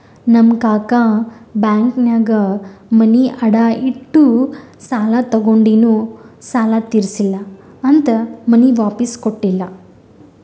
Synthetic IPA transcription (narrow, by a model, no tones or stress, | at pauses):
nɐmkaːkabjaːŋknaːɡɐmɐniʔɐɽaːiʈːusaːlat̪ɐɡoɳɖinusaːlat̪iɾsilːɐ | ɐnt̪ɐmɐniʋaːpiskoʈːilːɐ